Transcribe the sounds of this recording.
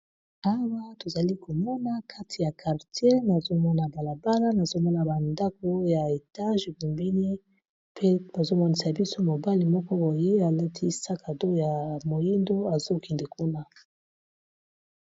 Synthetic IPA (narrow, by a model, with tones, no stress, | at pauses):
a˦wa˦to˨za˨li˦ko˨mɔ˦na˦ka˦tʰi˨ja˨kʰa˨ʁtʰje˦na˨zo˦mɔ˦na˨ba˨la˨ba˦la˦na˨zo˦mɔ˦na˨ba˨nda˦k̚o˦ja˨e˨ta˦ʒe˨bu˨mbi˦ni˦ | pʰe˦b̥a˨zo˦mɔ˦ni˨sa˨bi˦so˦mo˨ba˦li˨mɔ˦kɔ˦bo˨je˦a˨la˦tʰi˦˨sa˦ka˨do˦ja˨mo˨ji˦ndo˦a˨zo˦kɛ˨nde˨ku˦na˦